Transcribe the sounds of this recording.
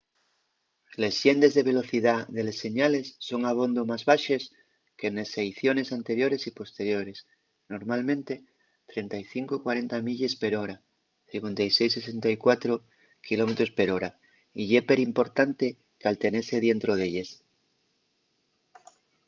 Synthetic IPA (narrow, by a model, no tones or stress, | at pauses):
le̞zʝjend̪e̞zðe̞β̞e̞lo̞θiðaðe̞le̞sːe̞ɲale̞sːo̞ŋaβ̞o̞nd̪omazβaʃes | kenesejθjo̞ne̞sant̪e̞ɾjo̞ɾe̞sipo̞st̪e̞ɾjo̞ɾe̞s | no̞ɾmalmẽ̞nt̪e̞ | t̪ɾe̞nt̪ajθiŋkokwaɾe̞nt̪amiʎespeɾo̞ɾa | θiŋkwe̞nt̪ajsejsese̞nt̪ajkwat̪ɾo | kilo̞me̞t̪ɾo̞spe̞ɾoɾa | iʎepeɾimpo̞ɾt̪ant̪e | kalt̪e̞ne̞seð̞je̞nt̪ɾoð̞eʎes